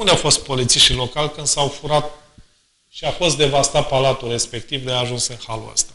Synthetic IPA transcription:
und̪eawfo̞st̪̚po̞lit̪siʃt̪ilo̞kalʲkɨnd̪sawfuɾat̪̚ | ʃiafo̞s̬t̪̚d̪e̞vast̪at̪̚palat̪ulre̞spe̞k̚t̪ivd̪eaːʒunsɨnxalṵa̰st̪a

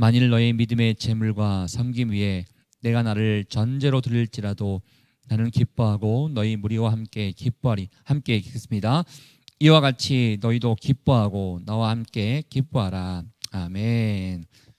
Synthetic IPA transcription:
maɲiɭnʌemidɯme̞t͡ɕe̞muɭɡwasʰʌmɡimɥiɦe̞ | ne̞ɡanaɾɯɭt͡ɕʌnd͡ʑe̞ɾotɯɾiɭt͡ɕ͈iɾado | nanɯnkip͈oɦaɡonʌimuɾiwahamk͈e̞ | hamk͈e̞ks͈ɯmɲida | iwaɡat͡ɕʰinʌidokip͈oɦaɡonawahamk͈e̞kip͈oɦaɾaamen

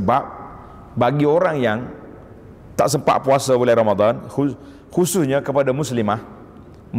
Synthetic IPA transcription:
bap̚ | baɡioɾaŋjaŋ | t̪a̰ʔsəmpa̰ʔpuasabulaɾamad̪anhu | husʊsɲakəpadamʊslimah | m

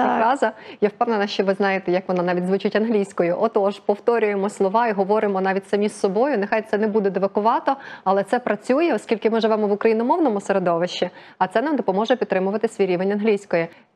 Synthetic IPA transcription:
ɾɑzɐjawpɛwnɐnɐʃt͡ʃɔʋɪznɑjet̪ɛjɐkʋɔnanɑʋʲit̚ʲzʋut͡ʃɪtʲɐnɦlʲijsʲkɔjʊʔɔt̪ɔʒpɔwt̪ɔɾʲʊjemɔslˠɔʋɑiɦɔʋɔɾɪmɔnɑʋʲitʲsɐmʲisːɔbɔjʊnexɑjt̪sɛnɛbud̪ɛd̪eʋɐkʊʋɑt̪ɔɐlˠɛt̪sɛpɾɐt͡sʲujɛɔskʲilʲkɪmɪʒɪʋɛmɔʋʊkɾɐjinɔmɔwnɔmʊseɾed̪ɔʋɪʃt͡ʃːi | ɐt̪sɛnamd̪ɔpɔmɔʒɛpʲt̪t̪ːɾɪmʊʋɐt̪ɪsʲʋʲijɾʲiʋenʲɐnɦlʲijsʲkɔjɛ

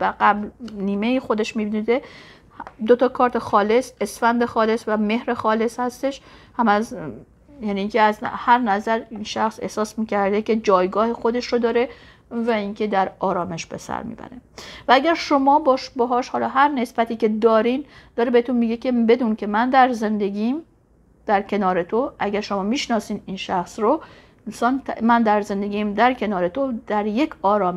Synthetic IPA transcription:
væɡæblniːme̞jixo̞d̪e̞ʃmibd̪d̪e | d̪ot̪ʰɒkʰɒːɾt̪ʰexɒːle̞se̞sfænd̪e̞xɒːle̞svæme̞hɾexɒːle̞shæst̪e̞ʃhæmæz | jæːniːkʲʰeæzhæɾnæzæɾiːnʃæxse̞̰hsɒːsmiːcʰæɾd̪e̞ce̞d͡ʒɒːjɡɒːhexo̞d̪e̞ʃɾod̪ɒːɾe̞ | væiŋkʰe̞d̪æɾɒːɾɒːme̞ʃb̥e̞̰sæ̰ɾmḭːbæ̰ɾe̞̰vææɡæɾʃo̞mɒːbɒːʃbɒɦɒːʃhɒːlɒːɦæɾne̞sb̥æt̪ʰiːce̞d̪ɒːɾind̪̥ɒːɾebehet̪ʰunmiːɡecʰʲebe̞d̪uːncʰe̞mænd̪æɾze̞nd̪e̞ɡiːm | d̪̥æɾcʰe̞nɒːɾe̞t̪ʰoʔæɡæɾʃo̞mɒːmiːʃnɒːsiːninʃæxsɾo | nsɒːnt̪ʰmænd̪æɾze̞nd̪e̞ɡʲiːmd̪æɾkʰe̞nɒːɾe̞t̪ʰod̪̥æɾje̞cʰɒːɾɒːm

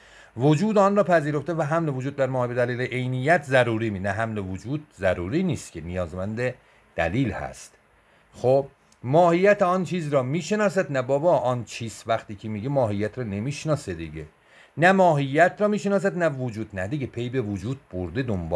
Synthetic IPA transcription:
vod͡ʒuːd̪ɒːnrɒːpʰæziːɾo̞ft̪evæɦæmlevod͡ʒuːd̪̚ːæɾmɒːhibed̪æliːleʔejnijːæt̪ʰzæɾuːɾiːminæɦæmlevod͡ʒuːd̪̥̚zæɾuːɾiːniːst̪cʰenijɒːzmænd̪e | d̪̥æ̰liːlhæ̰st̪ | xob̥ | mɒːhijːæt̪ʰeɒnt͡ʃʰiːzɾɒːmiːʃe̞nɒːs̬æd̪næbɒːbɒːʔɒnt͡ʃʰiːst̪væxt̪iːcʰemiːɟemɒːɦijːæt̪ʰɾɒːne̞miːʃnɒːsed̪iɟe | næmɒːɦijːæt̪ʰɾɒːmiːʃenɒːs̬æd̪nævod͡ʒuːd̪næd̪iɡepʰejbe̞vod͡ʒuːd̪̥̚boɾd̪e̞d̪ombɒː

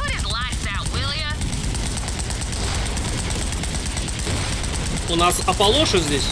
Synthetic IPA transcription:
əɾɪzlaɪsa | wɪlˠjə | ʊnasɐpɐlˠoʂɨzʲdʲesʲ

